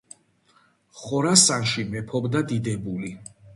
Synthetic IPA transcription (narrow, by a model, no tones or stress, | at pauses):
χɔɾasanʃimɛpʰɔbd̪ad̪id̪ɛbuli